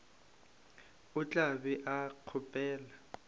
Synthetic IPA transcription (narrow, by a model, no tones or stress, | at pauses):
ʊt͡ɬʼabɛʔaq͡χʰʊpʼɛːla